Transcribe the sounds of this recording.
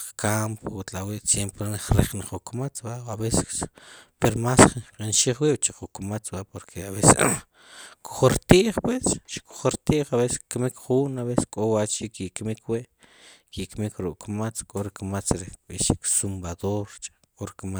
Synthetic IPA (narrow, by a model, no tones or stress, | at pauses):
kʰampwut̪lawiʔsjempnaχɾḛχnaχukmat͡sbaaβesespeɾomasχqʼinʃiχwiɓt͡ʃiqukmat͡sbapoɾkʰeaβese | kʰo̥χoɾt̪iʔχpwesʃko̥χoɾt̪iʔχaβese̥skmikχuːnaβese̥skʼowat͡ʃikikmikʰwiʔ | kikmikɾuʔkmat͡skʼoɾikmat͡sɾiɓḭʃiksumbaðoɾt͡ʃʼḁkʼoɾikma